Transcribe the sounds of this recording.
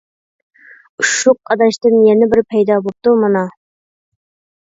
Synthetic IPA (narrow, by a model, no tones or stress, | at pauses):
uʃuqɑd̪ɑʃt̪ɨnjɛnɪbɪɾpʰɛjd̪ɑbop̚t̪umɑnɑ